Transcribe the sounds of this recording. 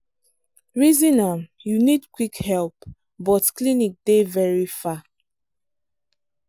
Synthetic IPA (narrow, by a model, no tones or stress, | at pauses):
ɹizĩnamjunidkwikhɛlp | bɔtklinik̚devɛɹifa